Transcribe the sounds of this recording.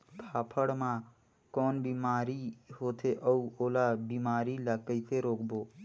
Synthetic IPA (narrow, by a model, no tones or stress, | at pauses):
kʰaːpʰəɽmã | kɔːnbimaːɾiɦoːt̪ʰeʔəuoːlabimaːɾiləɡ̚əɪt̪ʰeɾoːkboː